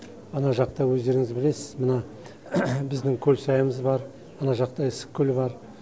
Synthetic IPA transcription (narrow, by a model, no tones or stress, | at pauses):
ɑnɑʒɑq̚t̪ɑwɵzd̪e̞ɾɪŋɪzbɪle̞sɪz̥mənɑ | bɪzd̪ɪŋkʲʰɵlʲsɑjəməzbɑɾ | ɑnɑʒɑq̚t̪ɑɪsɪ̥kʲʰːɵlɪbɑɾ